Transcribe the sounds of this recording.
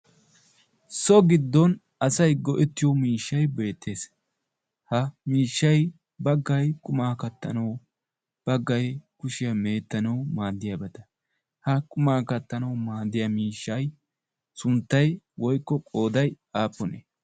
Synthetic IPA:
sɔɡɪd̪ːɔn | ɐsɐjɡɔʔɪt̪ːɪjɔmiːʃːɐjbe̞ːt̪ːe̞ːs | hɐmiːʃːɐj | bɐɡːɐjkʼʊmaːkɐt̪ːɐ̰nɐw | b̥ɐɡːɐjkʊʃɪjɐme̞ːt̪ːɐnɐwmaːd̪ːɪjaːbɐt̪ɐ̥ | hɐkʼʊmaːkɐt̪ːɐnɐwmaːd̪ːɪjɐmiːʃːɐj | sʊnt̪ːɐj | wɔjkːɔkʼo̞ːd̪ɐj | aːpːɔne

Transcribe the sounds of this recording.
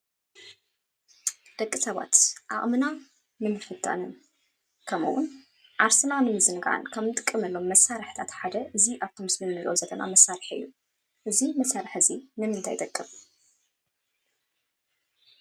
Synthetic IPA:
d̪̥ɐkʼːisɐβa̰t̪ʔa̰ʔʼmɨna | nɨmɨfɨt̪ʼːa̰nɨn | kʰɐmɨ̰wʊn | ʔaɾsɨnanɨmɨzɨnɡʔa̰nkʰɐmnɨt̪ʼɨkʼːɨmɐlːo̞mːɐsːaɾɨħt̪ʰat̪ħad̪ɐʔɨziʔaβt̪ʰomɨsmɨnnɨlʔozɐt̪ʰɐna̰mɐsːaɾɨħɨ̰jːu | ʔɨzimɐsaɾɨħɨzinɨmɨnt̪ʰa̰jd̪ɐkʼːɨm

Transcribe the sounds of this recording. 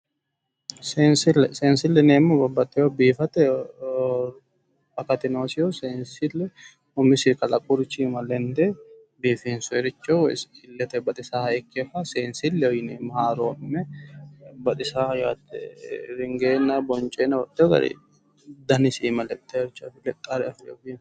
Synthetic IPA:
seːnsɪlɛseːnsɪlːɛneːmːʊbɐbːɐt̪ːɛjobiːfɐt̪ɛ | ɐkɐt̪ɪnoːsɪjoseːnsɪlɛ | ʊmːɪsɪkɐlɐkʼʊɾɪt͡ʃːimɐlɛnd̪ɛ | biːfɪnsʊɛɾɪt͡ʃːo̰ɪlːɛt̪ɛbɐt̪ʼɪsaːhɐɛkʰːeːfɐseːnsɪlːɛɔjɪneːmhaːɾoːnːɛ | bɐt̪ʼɪsaːjat̪ːɛ̰ɾɪŋɡeːnːɐbɔnt͡ʃʼeːnɐwɔt̪ːɛjɔɡɐ̰dḭ | d̪ɐnɪsiːmɐlɛt̪ʼːeɛɾɪt͡ʃːɐfɪlɛt̪ʼːaɾɛɐfɪoɡi

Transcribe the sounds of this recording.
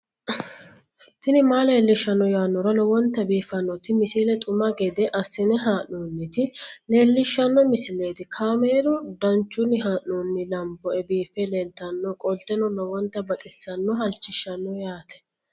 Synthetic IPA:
t̪ɪnɪmaːle̞ːlːɪʃːɐnːɔjaːnːɔɾɐlɔwɔnt̪ːɐbiːfːɐnːɔt̪ɪmɪsiːlɛt̪ʼʊmɐɡɛd̪ɛʔɐsːɪnɛɦaːʔnoːnːɪt̪ɪle̞ːlːɪʃːɐnːɔmɪsɪleːt̪ɪkʰaːmeːɾɔd̪ɐnt͡ʃːʊnːɪɦaːʔnoːnːɪlɐmbɔɛbiːfːɛleːlt̪ɐnːɔkʼɔlt̪ːɛnɔlɔwɔnt̪ːɐbɐt̪ʼɪsːɐnːɔɦɐlt͡ʃːɪʃːɐnːɔjaːt̪ʰɛ̥

